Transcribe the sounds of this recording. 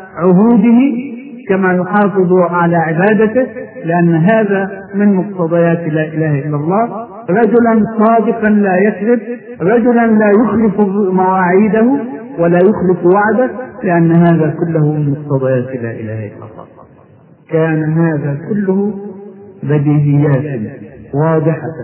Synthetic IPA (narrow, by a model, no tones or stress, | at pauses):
ʕʊɦuːd̪ɪhɪ | kamaːjʊħɑːfɨðˤʕalaːʕɪbaːd̪at̪ɪhlɪʔanːɦaːðaːmɪnmʊq̚t̪ɑd̪ˤɑjaːt̪laːʔɪlaːhaʔɪlːalˤːɑː | ɾˤɑd͡ʒʊlansˤɑːd̪ɪqɑnlaːjakðɪb̚ | ɾˤɑd͡ʒʊlanlaːjʊxlɪfʊrːuːʔmawaːʕiːd̪ahʊwalaːjʊxlɪfwaʕd̪alɪʔanːɦaːðaːkʊlːahʊmɪnmʊq̚t̪ɑd̪ˤɑjaːt̪la̰ːʔɪla̰ːhaʔɪ̰lːɑ̰lˤːɑ̰ːˤɑ̰ː | kaːnaɦaːðaːkʊlːʊhʊ | bad̪iːʔɪjːaːt̪wɑːd̪ˤɪħa